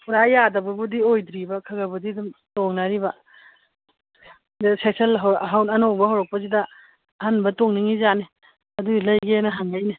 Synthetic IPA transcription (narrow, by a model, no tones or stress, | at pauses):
pʰuɾajadɐbubudiojdɾibɐkʰɐɡɐbudidumtoŋnaɾibɐ | sekselɦɦawnɐnowbɐɦawɾɔk̚pɐzidɐ | hanbɐtoŋniŋizane | ɐdulɐjɡenɐɦaŋajne